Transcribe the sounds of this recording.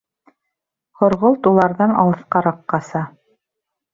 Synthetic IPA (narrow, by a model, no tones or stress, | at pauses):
χŏɾʁolˠt̪ulˠɑɾðɑnɑ̰lˠɤ̆θqɑɾɑqːɑsɑ